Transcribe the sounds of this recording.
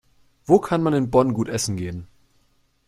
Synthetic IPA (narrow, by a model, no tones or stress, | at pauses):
v̥oːkʰanmanɪnbɔnɡuːtʔɛsn̩ɡeːən